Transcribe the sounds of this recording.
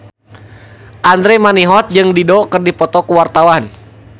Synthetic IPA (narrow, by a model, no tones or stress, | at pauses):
ʔand̪ɾɛmaniɦɔt̪̚d͡ʒɨŋdidɔkɨrdipɔt̪ɔkuwart̪awan